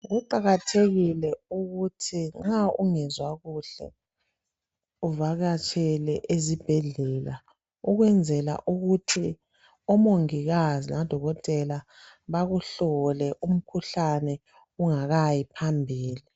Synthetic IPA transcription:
ɣuǃaɣatʰeɣilɛuɣutʰiŋ͡ǁauŋɛzwaɣuɬɛ̰ | uvaɣat͡ʃʼɛlɛʔezib̥ʱeɮɛla | uɣwɛnd͡zʱɛla̰ʔuɣutʰi | ɔmoŋiɣazinad̥ʱɔɣɔtʼɛla | βaɣuɬɔlɛʔum̩kʰuɬanɛ | uŋaɣajipʰambʱiːli

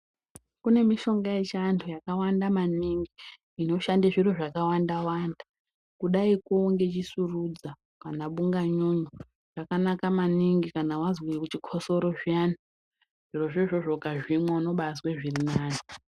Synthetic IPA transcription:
kune̞miʃo̞ŋɡaet͡ʃantʰujakawandamaniŋɡiː | no̞ʃandaʐiro̞ʐakawandawaːnda | kuɗaikoŋɡe̞t͡ʃisurud͡za | panaɓuŋɡaɲuɲo | ʐ̥akanakamaniŋɡikanawazwikut͡ʃikʰoso̞ɾo̞ʐiana | ʐ̥iro̞ʐiʐoʐokaʐimwauno̞ɓazweʐirinaːno

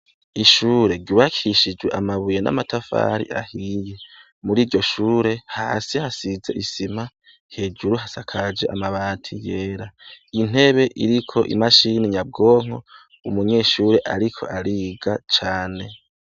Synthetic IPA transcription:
iʃuːɾe̞ɾɟuwakʰiʃid͡ʒwe̞ʔamaβujena̰matʰafa̰ɾḭʔa̰hiːje̞ | muɾiːɾɟo̞ʃuːɾe̞ha̰ːsihasize̞̰ʔisim̥a | he̞ːd͡ʒuɾuɦasakʰad͡ʒe̞ʔamaβaːntʰijeːɾain̥e̞βe̞ʔḭɾikʰo̞ʔḭmaʃiniɲab̚ɡo̞ːŋ̥o̞̰ | umuɲe̞ːʃuːɾe̞ʔaɾikʰo̞̰ʔaɾiːɡat͡ʃaːne̞

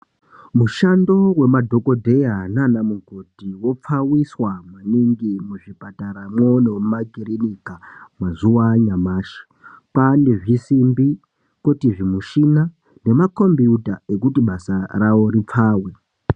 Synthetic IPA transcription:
muʃando̞we̞madʱo̞ko̞dʱe̞ananamuŋɡʱo̞dʱiwo̞p͡fawiswamaniŋɡimuʐipataɾamwonemumaɡʱirinikamazuwaɲamaːʃi̥ | pane̞ʐisimbi | kotiʐimuʃina | ne̞mako̞mbiutae̞kutiɓasarawo̞ɾip͡faːwe̞

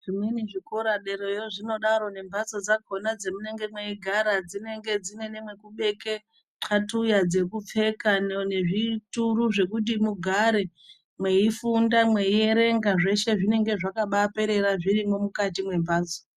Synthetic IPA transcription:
ʐ̥imweniʐikoɾaɗe̞ɾo̞joʐino̞ɗaɾo̞ne̞mbaso̞d͡zako̞nad͡ze̞mune̞ŋɡe̞mwe̞iɡʱaɾad͡zine̞ŋɡe̞d͡zine̞ne̞mwe̞kuɓe̞ke̞ | ǁʰatujad͡ze̞kup͡fe̞kanne̞ʐituɾuʐe̞kut̬imuɡʱaɾe̞ | mwe̞ifundamwe̞ieɾe̞ŋɡaʐe̞ʃe̞ʐine̞ŋɡe̞ʐakaɓape̞ɾe̞ɾaʐirimo̞mukatimwe̞mbaːt͡so̥

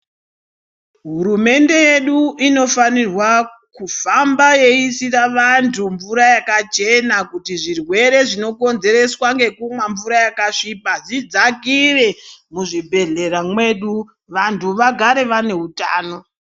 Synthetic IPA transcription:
ɦuɾume̞nde̞je̞ɗuʔino̞fanirwa | kufambaje̞isiraʋantʰumvuɾajakat͡ʃe̞nakutiʐirwe̞ɾe̞ʐino̞ko̞nze̞ɾe̞swaŋɡe̞kumwaɱvuɾajakaʂipazid͡zaɡʱire̞muʐibʱe̞ɮe̞ramwe̞ɗu | ʋantʰuʋaɡʱaɾe̞ʋane̞ɦutaːno̞

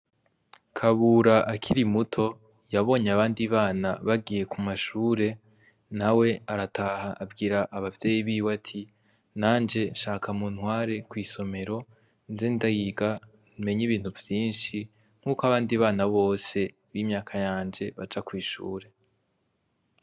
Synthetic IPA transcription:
kʰaβuɾaʔakʰiɾimutʰo̞ | jaβo̞ːɲaβaːndiβaːna̰βaɡije̞kʰumaʃuːɾe̞ | nawe̞aɾatʰahaʔːbɡiːɾaʔaβavje̞ːjiβiːwatʰi | naːnd͡ʒe̞nʃaːkʰamun̥hwaːɾe̞kwiːso̞me̞ɾo̞ | nzendajiːɡa | nime̞ɲiβiːn̥huvjiːnʃi | ŋ̥uːkoaβaːndiβaːnaβo̞ːse̞ | βiːmɲaːkʰajaːnd͡ʒe̞βad͡ʒakwiːʃṵːɾe̞

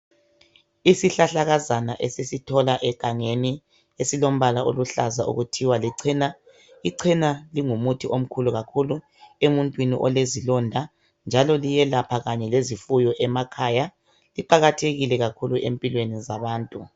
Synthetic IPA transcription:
isiɬaɬaɣazanaʔesisitʰɔlaʔɛɡ̥ʱaŋeni | esilom̩βalao̰luɬazaʔṵɣutʰiwaliǀʰiːna | iǀʰinaliŋumutʰiʔom̩kʰuluɣakʰulu | emuntʼwinḭʔɔlezilɔndʱa | nd͡ʒʱalɔlijɛlapʰaɣaɲɛlezifujɔʔɛmakʰaja | liǃaɣatʰeɣilɛɣakʰuluʔempʼilwenizaβaːntʼu

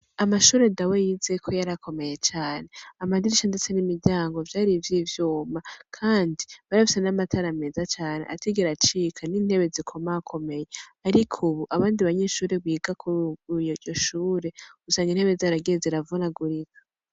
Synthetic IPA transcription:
amaʃuːɾedawejize̞kʰo̞jaɾakʰo̞me̞je̞t͡ʃaːne̞amadiɾiʃandet͡se̞nimiɾɟaːŋɡo̞vjaːɾivjivjuːmakʰaːndiβaɾafi̥senamatʰaɾame̞ːzat͡ʃaːne̞̰ʔatiɡiɾat͡ʃikʰanin̥he̞βe̞zikʰo̞maakʰo̞me̞je̞aɾikʰuβuʔaβaːndiβaɲe̞ʃuːɾe̞βwiːɡakʰujjoʃuːɾe̞ɡusaːŋɡinhe̞βezaɾaɡeziɾavunaɡuɾikʰḁ

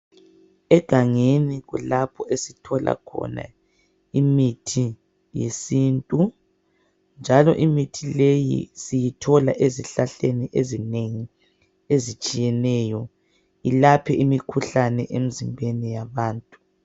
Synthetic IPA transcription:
ɛɡ̥ʱaŋeniɣulapʰɔesitʰɔlʔa̰kʰɔ̰na̰ | imitʰi | jḛsiːntʼu | nd͡ʒʱalɔ̰ʔimitʰilejḭsijitʰɔlaʔeziɬaɬeniʔezineŋi | ezit͡ʃʼijɛnɛjɔ | ilapʰɛʔimikʰuɬanɛʔem̩zimbʱenijaβaːntʼu̥

